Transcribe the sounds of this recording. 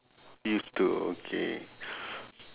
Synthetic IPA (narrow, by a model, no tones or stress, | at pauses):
just̪uo̰kʰḛ